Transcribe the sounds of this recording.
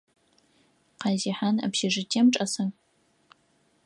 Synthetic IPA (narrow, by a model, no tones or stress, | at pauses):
qɑziħanɐ̰pʃɪʐɨtʰiːmʈ͡ʂʼɐsɐŋ